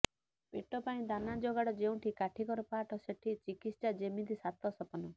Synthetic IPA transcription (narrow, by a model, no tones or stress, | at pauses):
peʈɔpaĩd̪anad͡ʒoɡaɽɔd͡ʒeũʈʰikaʈʰikɔɾɔpaʈʰɔseʈʰit͡ʃikist͡ʃad͡ʒemid̪isat̪ɔsɔpɔnɔ